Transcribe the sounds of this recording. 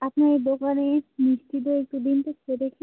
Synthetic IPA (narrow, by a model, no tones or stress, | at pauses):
apnaejd̪okanemiʃt̪it̪̬oek̚ʈud̪int̪et͡ʃʰeɾekʰe